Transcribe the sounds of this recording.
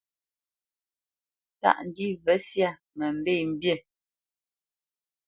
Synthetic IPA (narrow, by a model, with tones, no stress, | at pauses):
ta̰˦ʔn̩˨di˦və˨˦sja˦˨ | mə˨m̩˦˨be˦˨m̩˦bje˦˨